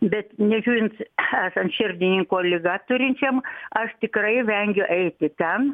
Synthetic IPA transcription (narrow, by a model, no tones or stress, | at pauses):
bʲɛt̪nʲɛʒʲuːɾʲɪnt̪sæːsɐnt̪ʃʲɪrʲd̪ʲɪnʲɪŋkoːlʲɪɡɑt̪ʊɾʲɪnʲt͡ʃʲɛmɐʃt̪ʲɪkrɐɪʋʲɛŋʲɡʲʊʔɛɪt̪ʲɪt̪ʲɛn